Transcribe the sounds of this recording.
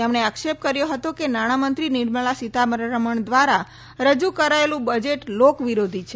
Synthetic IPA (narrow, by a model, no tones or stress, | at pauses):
emɳ̃eakʃep̚kəɾjoɦət̪okenaɽ̃amənt̪ɾiniɾməɭasit̪amɾɾəməɳd̪ʋaɾa | ɾəd͡ʒukəɾaelũbəd͡ʒeʈlokʋiɾod̪ʱit͡ʃʰe